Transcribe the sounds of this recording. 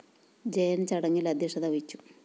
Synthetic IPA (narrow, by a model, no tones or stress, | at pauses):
d͡ʑejɐnt͡ɕɐɽɐŋːilɐd̪ʱjiʂɐðɐʋit͡ɕːu̥